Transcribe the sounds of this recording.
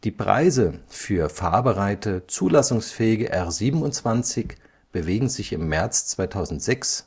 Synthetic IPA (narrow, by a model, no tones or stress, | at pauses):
d̥iːpʁ̥a̰ɪzəfyːɐfa̰ɐbəʁaɪtət͡suːlasʊŋsfɛːɪɡəʔɛʁziːbm̩ʊntt͡sv̥ant͡sɪç | b̥əveːɡŋ̩zɪçɪmːɛɐt͡st͡sv̥aɪtʰaʊzn̩tz̥ɛks